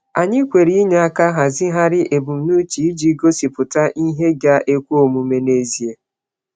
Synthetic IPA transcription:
a˨ɲɪ˦kʷe˨ɾi˦i˦ɲe˦a˦ka˦ɦa˨zɪ˦ɦa˦ɾɪ˦ʔe˨bu˨m̩˨˦nu˦t͡ʃi˨i˦d͡ʒi˦ɡo˦si˨pʊ˨ta˦ʔi˦ɦe˦ɡa˦ʔe˦kʷu˦o˨mu˨me˦ne˦zi˨e˦

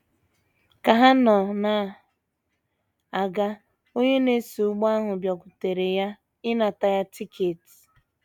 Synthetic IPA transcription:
ka˨ɦa˦nɔ˨na˨ | a˨ɡa˦ | o˦ɲe˦ne˦su˨ʊ˦ɡ͡ba˦ɦʊ˨bjɔ˨kʷʊ˨te˨ɾe˨ja˦ | ɪ˦na˨ta˨ja˦ti˦kʰe˨t

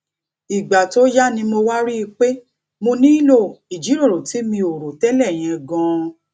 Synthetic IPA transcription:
i˨ɡ͡ba˨to˦ja˦nĩ˧mo˧wa˦ɾi˦˧k͡pe˦ | mo˧nĩ˦i˦lo˦˨i˨d͡ʒi˨˦ɾõ˦˨ɾo˨ti˨˦mĩ˧o˨ɾo˨tɛ˦lɛ˦˨j̃ɛ̃˧ɡɔ̃˧

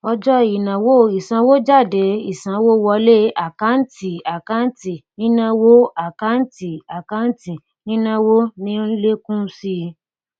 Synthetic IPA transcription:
ɔ˧d͡ʒɔ˦i˨nã˨wo˦˨i˨sã˧˦wo˦d͡ʒa˦˨de˨˦i˦˨sã˨˦wo˦wɔ˧le˦a˨ka˨˦n̩˦ti˨a˨ka˦n̩˦ti˨nĩ˦nã˦wo˦a˦˨ka˨˦n̩˦ti˦˨a˨ka˦n̩˦ti˨ | nĩ˦nã˦wo˦nĩ˦n̩˦le˦kũ˦si˦˧

